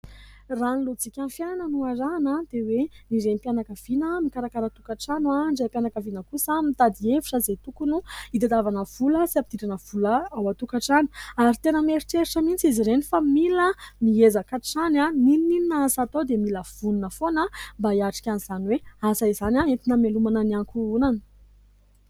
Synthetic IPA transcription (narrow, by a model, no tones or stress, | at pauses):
ranlot͡sikʲanfjananənuaɾanad̪ewenizempjanakəv̥inəmikaɾakaɾat̪ukaʈ͡ʂanwaɳɖ͡ʐepjanakəvinəkusamit̪ad̪ievi̥ʈ͡ʂəzet̪ukunuid̪ad̪avanəv̥uləsiapid̪̥iʈ͡ʂanəv̥uləawat̪ukaʈ͡ʂanuaɾit̪enəmeɾiʈ͡ʂeɾiʈ͡ʂəmint͡siziɾenifamiləmiezakaʈ͡ʂananinnininaasat̪od̪emiləv̥uninəfonəmbaiaʈ͡ʂi̥kʲaniz̥anweasaizanʲaet̪inəmelumananiaŋkuunanə̥